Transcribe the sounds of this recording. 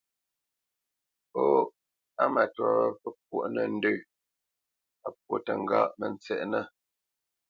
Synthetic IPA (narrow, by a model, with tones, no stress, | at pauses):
po˦ | a˦ma˨twa˨wə˦pə˦k̚wo˨ʔnə˨n̩˦də˦˨ | a˨p̚wo˦tə˨ŋ̩˨ɡaː˦ʔmə˨nt͡sɛ̰˨ʔnə˦˨